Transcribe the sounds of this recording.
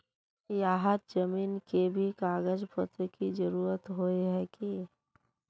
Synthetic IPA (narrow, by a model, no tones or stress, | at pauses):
jaːɦət̪̚d͡ʒəmiːnkebʱikaːɡəd͡ʒpət̪ɾkid͡ʒəɾuːɾət̪ɦoeɦɛki